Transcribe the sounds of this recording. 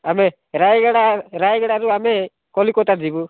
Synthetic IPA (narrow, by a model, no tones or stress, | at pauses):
amɛ | ɾajɡaɽaɾajɡɛɽaɾuamɛ | kɔlikɔt̪ad͡ʒibu